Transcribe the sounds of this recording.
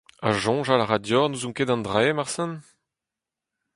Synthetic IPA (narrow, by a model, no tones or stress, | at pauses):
a̰ʒɔ̃ʒalaʁadjɔʁnuzũŋkedɑ̃ndʁɛmaʁsɛ̃n